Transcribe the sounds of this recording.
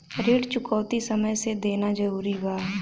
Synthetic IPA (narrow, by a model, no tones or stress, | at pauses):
ɾiːɽt͡ʃʊkɔːt̪isəməjsed̪eːnad͡ʒəɾuːɾibaː